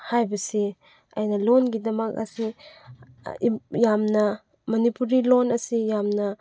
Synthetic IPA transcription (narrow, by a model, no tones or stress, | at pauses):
hajbɐsi | a̰jnɐlonɡidɐmɐk̚ɐ̰si | jamnɐ | mɐnipuɾilonɐsijamnɐ